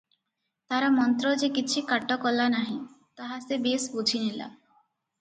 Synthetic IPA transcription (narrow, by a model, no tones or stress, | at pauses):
t̪aɾamɔnt̪ɾɔd͡ʒekit͡ʃʰikaʈːɔkɔlanaɦĩt̪aɦasebesbud͡ʒʰinila̰